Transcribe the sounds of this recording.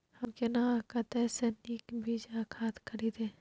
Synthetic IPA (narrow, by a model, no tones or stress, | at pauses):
həmkenaãkət̪ɛsenikbʱiːd͡ʒakʰaːt̪kʰəɾid̪eː